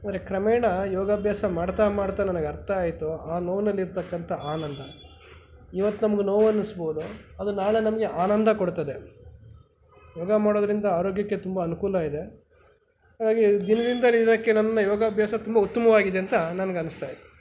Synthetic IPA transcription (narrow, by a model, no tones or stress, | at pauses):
ɐnd̪ɾe̞kɾɐmɛːɳɐjɔːɡɐbʱjaːsɐmaːɽt̪amaːɽt̪aːnɐnɐɡɐɾt̪ʰaːjt̪uaːnoːʋnɐlːiɾt̪ɐkːɐnt̪ʰɐaːnɐnd̪ʱɐ | iʋɐt̪ːunɐmɐɡenoːʋɐnːisboːd̪uɐd̪unaːɭenɐmɐɡe̞ʔaːnɐnd̪ʱɐkoɽt̪ɐd̪e̞ | jɔːɡɐmaːɽoːd̪ɐɾind̪ɐaːɾoːɡjɐkːe̞t̪umbɐːnukuːlɐid̪e̞ | haːɡaːɡid̪inɐd̪ind̪ɐlid̪inɐkːe̞nɐnɐːɐjɔːɡɐbʱjaːsɐt̪umbɐut̪ːɐmɐʋaːɡid̪eɐnt̪ɐnɐnɐɡeɐnust̪aːjit̪ːu̥